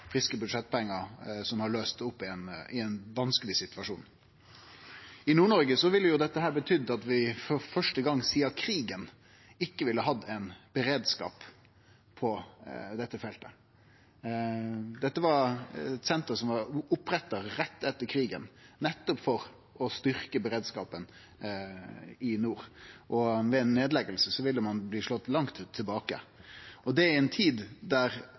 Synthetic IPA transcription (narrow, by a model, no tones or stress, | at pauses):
fɾɪskəbʉd̪ʂɛt̪̚ːpɛŋːəɾsɔmhɑløːst̪ʊpːɪɛnɪɛnʋɑnskəlɪsɪt̪ʉɑʂṵːn | ɪnuːɳɔɾɡəsɔʋɪlːəjʊd̪ɛt̪ːəɦæːɾbət̪ʰʏd̪ːɑt̪ʋɪfɔɾfœʂʈəɡɑŋːsiːɑkʰɾiːɡən | ɪkːəʋɪlːəɦɑd̪ːæɪnb̥əɾeːd̪skɑ̰ːp | pʰɔd̪ɛt̪ːəfɛlt̪ə̰ | d̪ɛt̪ːəʋɑɾt̪sɛnt̪ɾəsɔmʋɑɾʊpɾɛt̪ːəɾːɛt̪ːɛt̪ːəɾkʰɾiːɡə̰nnɛt̪ːɔpfɔɾ | ʔɔst̪ʏɾkəbəɾeːd̪skɑːpən | ɪnuːɾʔɔʋɛɛɪnːeːd̪lɛɡəlsəsɔʋɪlːəmɑnbliːʂlɔt̪ːlɑŋt̪ʉt̪ʰːɪlbɑːkə̰ɔd̪ɛæɪɛnt̪ʰiːd̪d̪æɾ